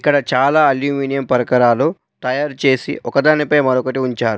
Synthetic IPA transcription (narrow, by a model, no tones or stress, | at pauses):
ikːɐɽɐt͡ʃaːlaːɐljuːmiːnijɐmpɐɾɐkɐɾaːlu | t̪ɐjaːɾt͡ʃe̞ːsḭʔɔkɐd̪aːnipɐjmɐɾɔkɐʈiuɲt͡ʃaːɾu